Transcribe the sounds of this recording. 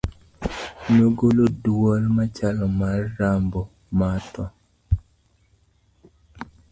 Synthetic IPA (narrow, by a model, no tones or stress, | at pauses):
noɡolodwɔlmat͡ʃalɔmarːambɔ | matɔ